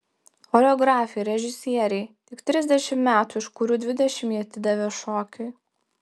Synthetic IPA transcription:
xolʲoːɡɾɑːfʲɛɾʲɛʒʲɪsʲiɛɾʲɛɪt̪ʲɪkt̪ʲɾʲɪzʲd̪ʲɛʃʲɪmmʲæːt̪uːɪʃkʊɾʲuːd̪ʲʋʲɪd̪ʲɛʃʲɪmiɐt̪ʲɪd̪ɐʋʲeʃoːkʲɪ

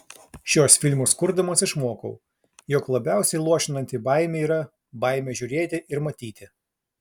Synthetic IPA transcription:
ʃʲuɔsfʲɪlʲmʊskʊɾd̪ɐmoːsɪʃmuːkɐʊ | jɔklˠɐbʲæˑʊsʲɛɪlˠuɔʃʲɪnɐnʲt̪ʲibɐɪmʲeːiːɾɐ | bɐɪmʲeːʒʲʊːɾʲeːt̪ʲɪʔɪɾmɐt̪ʲiːt̪ʲɪ

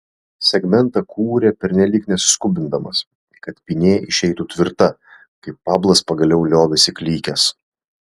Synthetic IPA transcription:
sʲɛɡmʲɛnˑt̪ɑkʰuːɾʲepʲɛɾʲnʲɛlʲiːknʲɛsʊ̥skʊbʲɪnd̪ɐmɐs | kɐt̪pʲinʲeːʔɪʃʲɛɪt̪ut̪ʲʋʲɪɾt̪ɐ | kɐɪpːɑːblˠɐspɐɡɐlʲɛʊlʲoːʋʲɪsʲɪklʲiːkʲɛs

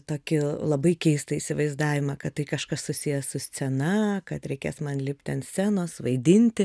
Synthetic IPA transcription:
t̪oːkʲɪlˠɐbɐɪkʲɛɪst̪ɐiːsʲɪʋɐɪzd̪ɑːʋʲɪmɐkɐt̪tɐɪkɐʃkɐssʊsʲijɛsʊsʲt͡sʲɛnɐkɐt̪ɾʲɛɪkʲeːsmɐnlʲɪpʲt̪ʲt̪ʲɛnsʲsʲæːnoːsʋɐɪd̪ʲɪnʲt̪ʲɪ

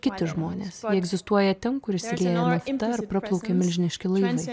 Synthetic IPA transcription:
kʲɪt̪ʲɪʒmoːnʲeːsjiɛɛɡzʲɪst̪uɔjɛt̪ʲɛnkʊɾɪsʲɪlʲeːjɛmɐft̪ɐɐɾpɾɐplˠɒʊkʲeːmʲɪlʲʒʲɪnʲɪʃʲkʲɪlˠɐɪʋɐɪ

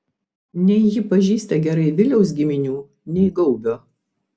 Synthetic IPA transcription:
nʲɛɪjɪpɐʒʲiːsʲt̪ʲɐɡʲɛɾɐɪʋʲɪlʲɛʊs̬ɡʲɪmʲɪnʲuː | nʲɛɪɡɐʊbʲoː

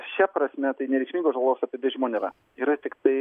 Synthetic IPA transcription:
ʃʲɛpɾɐsʲmʲɛt̪ɐɪnʲɛɾʲɛɪkʲʃʲmʲiŋɡosʒoɡlˠoːsɑːpʲɪd̪ʋʲɪʒmoːnʲɛɾɐ | iːɾɐt̪ʲɪkt̪ɐɪ

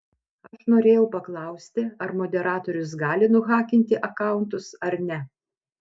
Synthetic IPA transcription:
ɐʃnoːɾʲeːjɛʊpɐklˠɐʊsʲt̪ʲɪɐɾmoːd̪ʲɛɾɑːt̪oːɾʲʊs̬ɡɑːlʲɪnʊɣɑːkʲɪnʲt̪ʲɪʔɐkɑˑʊnt̪ʊsɐɾnʲɛ

